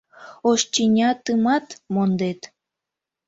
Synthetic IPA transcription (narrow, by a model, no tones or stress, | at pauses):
oʃt͡ɕinʲɑt̪ɨmɑt̪mond̪et̪